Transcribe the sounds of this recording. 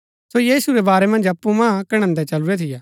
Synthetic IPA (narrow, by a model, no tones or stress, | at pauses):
sojiːsuɾɛbaːɾɛmɐ̃nd͡ʒɐpːumãːkɐɽ̃ə̃nd̪ɛt͡ʃɐluɾɛt̪ʰɪjaː